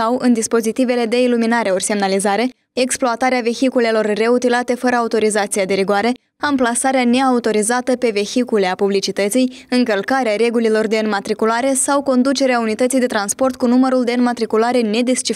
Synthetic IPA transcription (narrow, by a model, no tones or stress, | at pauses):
awɨnd̪ispo̞zit̪ive̞le̞d̪e̞iluminaɾe̞o̞rse̞mnalizaɾe̞ | eksploat̪aɾeave̞çikule̞lo̞rːe̞ut̪ilat̪e̞fəɾəaut̪o̞ɾizat̪sijad̪e̞viɡwaɾe̞ | amplasaɾeane̞aut̪o̞ɾizat̪əpe̞ve̞çikule̞apublit͡ʃit̪ət̪sijɨŋkəlkaɾeaɾe̞ɡulilo̞rd̪e̞ɨnmat̪ɾikulaɾe̞sawko̞nd̪ut͡ʃe̞ɾeaunit̪ət̪sijd̪e̞t̪ɾanspo̞rt̪̚kunuməɾuld̪e̞ɨnmat̪ɾikulaɾe̞ne̞d̪ist͡ʃi